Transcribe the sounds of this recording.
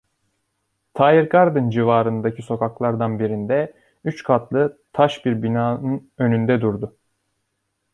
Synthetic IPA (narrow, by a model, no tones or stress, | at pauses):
t̪ʰaːjiɾkʰaɾd̪ɯnd͡ʒivaːɾɯnd̪acʰiso̞kʰaklˠaɾd̪anbiɾind̪ɛ | yt͡ʃkʰat̪ʰlˠɯt̪ʰaʃbiɾbinaːnɯnø̞nynd̪ɛd̪uɾd̪ʊ